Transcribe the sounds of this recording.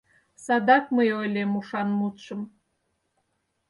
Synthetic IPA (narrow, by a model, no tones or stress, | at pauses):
sɑd̪ɑkməjojlemuʃɑnmut̪ʃəm